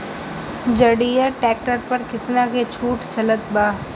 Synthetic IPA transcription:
d͡ʒəɽijəɾʈɛːk̚ʈəɾpɐɾkɪt̪naket͡ʃʰuːʈt͡ʃɐlət̪baː

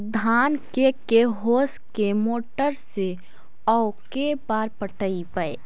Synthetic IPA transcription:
d̪ʱaːnkekeɦoːskemoːʈəɾse | ɔkebaːɾpəʈəipəe

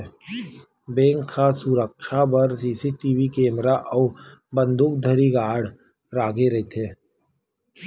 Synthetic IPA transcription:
bẽːŋkʰːasuɾəkʃapəɾsiːsiʈiʋikẽːmɾaʔɔːbə̃nd̪ʱuːk̚d̪ʱəɾiɡaːɽ | ɾaːɡeɾɐɦet̪ʰeː

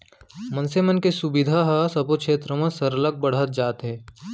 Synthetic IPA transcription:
mɐnsemənkesubɪd̪ʱaɦasɐpokʃʰeːt̪ɾəmɐ̃sɐɾələɡ̚bɐɽ̤ət̪̚d͡ʒaːt̪ɦɛ̃ː

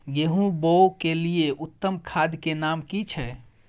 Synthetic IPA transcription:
ɡeɦũbowkelijeʔut̪ːəmkʰad̪ʱkenamkit͡ʃʰɛ

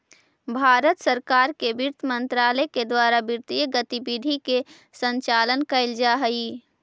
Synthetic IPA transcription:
bʱaːɾət̪səɾkaːɾkebɪɾt̪ʰmə̃nt̪ɾaːləeked̪waːɾabɪɾt̪ijəɡət̪ibid̪ʱike | sə̃ɲt͡ʃaːlənkəɪld͡ʒaɦəi

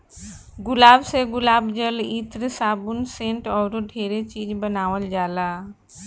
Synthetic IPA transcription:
ɡʊlaːbseɡʊlaːbd͡ʒəlit̪ɾəsaːbunsẽɳʈɔːɾoɖʱeɾet͡ʃiːd͡ʒbənaːʋəld͡ʒaːla

